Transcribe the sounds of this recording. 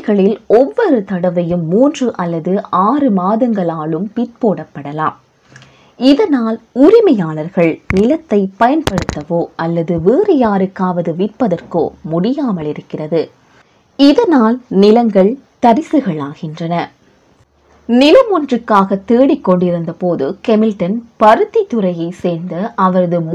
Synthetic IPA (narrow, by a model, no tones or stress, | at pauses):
ɣɐɭɪlɔʋːɔɾɯt̪ɐɽɐʋɐjɯmːuːndrɯʔɐlːɐðɯʔaːrɯmaːðɐŋɡɐɭaːɭɯmpɪʈ̪̚poːɽɐpːɐɽɐla̰ːm | ɪðɐnaːlʊɾɪmɐjaːlɐɾɣɐɭnɪlɐt̪ːɐɪpːɐjɐnpɐɽɯt̪ːɐʋoːɐlːɐðɯʋeːɾɐjaːɾɯkːaːʋɐðɯʋɪʈ̚pːɐðɐrko̰ːmʊɽɪjaːmɐlɪɾɯkːɪrɐðɯ | ɪðɐnaːlnɪlɐŋɡɐɭt̪ɐɾɪsɯɣɐɭaːɣɪndrɐnɐ | nɪlɐmɔndrɯkːaːɣɐt̪ːeːɽɪkːɔɳɖɪɾɯnd̪ɐpoːðɯkɛmɪlʈɐnpɐɾɯt̪ːit̪ːɯɾɐjɐɪseːɾnd̪ɐʔɐʋɐɾɐðɯm